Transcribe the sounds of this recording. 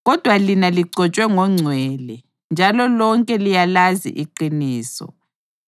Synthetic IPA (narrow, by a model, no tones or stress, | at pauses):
ɣɔd̥ʱwalinaliɡ͡ǀʱɔt͡ʃʼwɛŋɔŋ͡ǀʱwɛlɛ | nd͡ʒʱalɔlɔŋkʼɛlijalazḭʔiǃiniːsɔ̰